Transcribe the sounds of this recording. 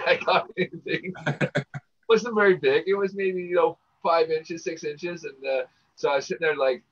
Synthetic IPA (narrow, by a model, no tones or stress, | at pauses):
aɪɡɑɾɛniθɪ̃ŋ | wʌzə̃nvɛɹibɪɡɨt̚wʌzmeɪbĩjɨnoʊ | faɪvɪ̃nt͡ʃɨz̥sɪksɪ̃nt͡ʃɪzɨ̃nʌ | soʊaɪsɪn̩ə˞laɪk̚